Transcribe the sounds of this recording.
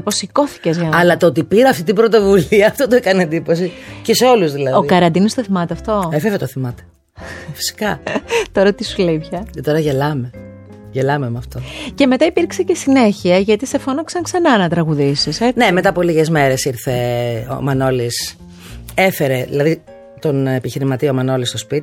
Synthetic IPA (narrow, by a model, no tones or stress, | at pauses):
posiko̞θi̥cezʝɐnɐlɐt̪oot̪ipiɾɐɐft̪it̪̬ibɾot̪o̞vuliɐːft̪ot̪oekɐneend̪ipo̞s̬iceseo̞luzðilɐðoikɐɾɐnd̪inɐst̪oθimɐt̪eɐft̪o̞efevet̪oθimɐt̪e̥ | fi̥si̥kɐt̪o̞ɾɐt̪isuleipçɐcet̪o̞ɾɐʝelɐme | ʝelɐmemɐft̪o̞ce̞me̞t̪ɐipiɾksece̞sine̞çiɐʝɐt̪ise̞fonoksɐŋksɐnɐnɐt̪ɾɐɣuðisisene̞me̞t̪ɐpoliʝezme̞ɾe̞siɾθeo̰mɐno̞lis | efe̞ɾeðḭlɐði | t̪o̞nepiçiɾimɐt̪iomɐno̞list̪ospit̪i̥